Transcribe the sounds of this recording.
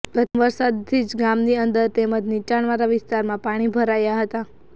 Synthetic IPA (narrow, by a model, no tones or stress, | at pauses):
ɡət̪ʋəɾsad̪t̪ʰid͡ʒɡamniənd̪əɾt̪eməd͡ʒnit͡ʃaɳʋaɾaʋɪst̪aɾmãpaɽ̃ibʱəɾajaɦət̪a